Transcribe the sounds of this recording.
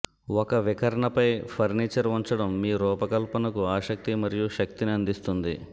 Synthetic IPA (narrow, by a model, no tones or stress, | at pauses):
ɔkɐʋikɐɾɐɳɐpɐjpʰɐɾniːt͡ʃɐɾʋuɲt͡ʃɐɽɐmːiːɾɔːpɐkɐlpɐnɐkuaːʃɐk̚t̪imɐɾijuʃɐk̚t̪iniɐnd̪ist̪und̪i